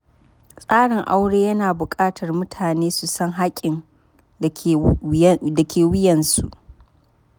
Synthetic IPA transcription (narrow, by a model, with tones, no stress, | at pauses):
sʼaː˦ɽɪ˨ŋʔa˦wɽeː˦jɐ˦naː˨bʊ˨kʼaː˦tʰɐ˨rmʊ˦tʰaː˨neː˦su˨sɐ˦ŋɦa˦kʲʼːɪ˨n˨ | dɐ˨kʲʰeː˨wɪ˦jɐ˨nsu˦˨ʔ